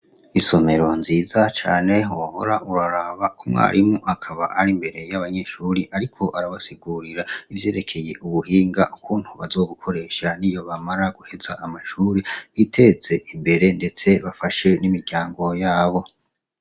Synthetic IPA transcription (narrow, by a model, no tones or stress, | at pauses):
iso̞me̞ɾo̞nziːzat͡ʃa̰ːne̞woβo̰ɾaʔuɾaɾaβakumŋa̰ːɾʔimuʔakʰaβaʔaɾiːmbe̞ɾe̞jaβaɲe̞ʃuɾiʔaɾikʰo̞ʔaɾaβasiɡuɾiɾaivje̞ːɾe̞kʰe̞je̞ʔuβuɦiːŋɡaʔukʰuːn̥huβazo̞ːɡukʰo̞ɾe̞ːʃanijo̞βamaɾaɡ̥uhe̞zaʔːmaʃuːɾiβitʰe̞t͡se̞ʔimbe̞ɾe̞nde̞t͡se̞βafaʃe̞nimiɾɟaːŋɡo̞jaːβo̞